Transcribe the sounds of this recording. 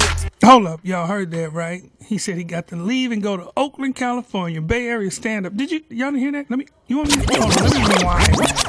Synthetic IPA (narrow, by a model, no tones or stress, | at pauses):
hoʊlˠʌp̚joɦɜ˞d̪̚ðæt̚ɹaɪt̚hisɛd̚hiɡɑtʰɨlivɨ̃nɡoʊɾəʔoʊklɨ̃nkʰælˠəfɔɹnjɨbɛɹjɨstæ̃ndʌp̚d̥ɨd͡ʒɨjɨwɑ̃nɨhiɹðæt̚lɛmi | jɨwɑ̃nəmiɨkʰɔɛmiɨnoʊwaɪ